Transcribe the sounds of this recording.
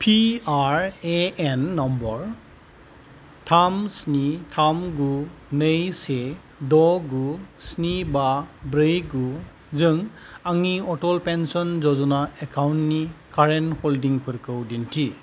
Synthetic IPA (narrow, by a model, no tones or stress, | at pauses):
pʰiaɾeenːɔmbɔɾ | tʰamsnitʰamɡunɯjse | dɔɡusnibabɾɯjɡu | zɯŋaŋiɔtɔlpensɔnzɔzɔnaekawntnikaɾentholdiŋpʰɯɾkʰɯwdintʰi